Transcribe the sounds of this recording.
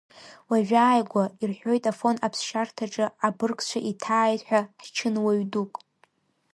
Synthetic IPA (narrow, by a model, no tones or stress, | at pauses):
waʒᶣaːjɡʷairħʷᶣo̞jtʼafo̞napʰsʃartʰaʈ͡ʂʼɨabɨrkʼt͡ʃʷʰaʔitʰaːjtʼħʷᶣaħt͡ʃʰɨnwaɥdukʼ